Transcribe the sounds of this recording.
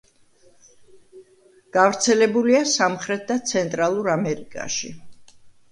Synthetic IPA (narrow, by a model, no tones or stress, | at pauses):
ɡ̥avɾt̪sʰɛlɛbuliasamχɾɛt̪̚d̪at̪sʰɛnt̪ʼɾalˠuɾamɛɾikʼa̰ʃi